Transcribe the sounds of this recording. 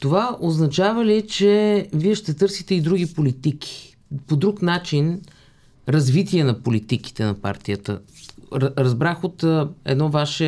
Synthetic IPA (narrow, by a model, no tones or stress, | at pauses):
t̪ovaʔoznɐt͡ʃavəlit͡ʃɛviɛʃt̪ɛt̪ɤɾsit̪ɛid̪ɾuɡipolit̪ikʰi̥ | pod̪ɾuknat͡ʃin | ɾɐzvit̪iɛnɐpolit̪iki̥t̪ɛnɐpa̰ɾt̪ijət̪ə̰ | ɾɐzbɾaxot̪ːɛ̰d̪nɔvaʃɛ